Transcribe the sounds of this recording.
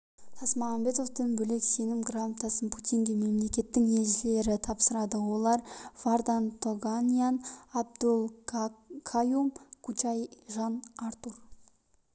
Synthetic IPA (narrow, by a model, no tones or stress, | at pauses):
t̪ʰɑsmɑɑmbe̞t̪oft̪ʰenbʏle̞kse̞nɪmɡramt̪ɑsənpʰut̪ʲinɡ̪ʲeme̞mle̞kʲe̞t̪ːɪŋeʒɪle̞ɾɪt̪ʰɑpsəɾɑd̪əwo̞lˠɑɾvaɾd̪ant̪ʰoɡanʲijanab̚d̪ulˠ | kʰajumkʰut͡ʃajʒɑnaɾt̪ur